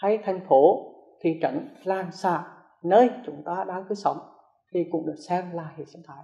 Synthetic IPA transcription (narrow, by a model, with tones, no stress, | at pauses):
ha˧jt̪ʰa˨˩jŋ̟fo˨˦ | t̪ʰi˨˩t͡ɕə̰˧˥nlaː˨˩nsa̰ː˧˩˨ | nəː˧jt͡ɕʊ˨˦ŋ͡mt̪aː˧ɗa̰ː˧˥kɨ˨˦sə˨˦wŋ͡m | t̪ʰi˨˩kʊ̰˨˧˩ŋ͡mɗɨ˨˩ək̚sɛ˧mlaː˨˩hḭ˨˩˨sə˧˦ŋt̪ʰaː˧˦j